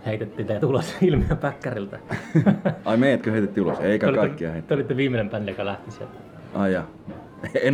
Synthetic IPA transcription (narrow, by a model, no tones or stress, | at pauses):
heit̪et̪ːiːnt̪eæt̪ulosilmiæpækːærilt̪æ | ɑimeˑijæt̪køheˑit̪et̪ːiuloseˑikæolikɑikːiɑ̰heˑt̪eolit̪ːeʋiːmːenempænːejokɑlæht̪isḛt̪ː | ɑjɑ | en